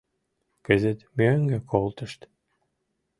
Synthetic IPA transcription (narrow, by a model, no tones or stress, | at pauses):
kɘ̆zet̪møŋɡekʰolˠt̪ə̆ʃt̪